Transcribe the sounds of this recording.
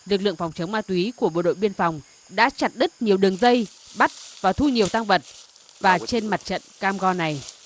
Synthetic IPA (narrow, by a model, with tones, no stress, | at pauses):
lɨ˨˩k̚lɨ̰˧˨əŋfa˨˩wŋ͡mt͡ɕə˨˦wŋ͡mmaː˧t̪wi˨˦ku˧˩əɓo̰˧˨ɗo̰˧˨jɓi˧ənfa˨˩wŋ͡m | ɗa̰ː˧˥t͡ɕa˨˩t̚ɗɨ˦˥t̚ɲi˨˩əwɗɨ˨˩əŋzə˧j | ɓa˦˥t̚vaː˨˩t̪ʰu˧ɲi˨˩əwt̪aː˧ŋvə˨˩t̚ | vaː˨˩t͡ɕe˧nma˨˩t̚t͡ɕə̰˧˨nkaː˧mɣɔ˧na˨˩j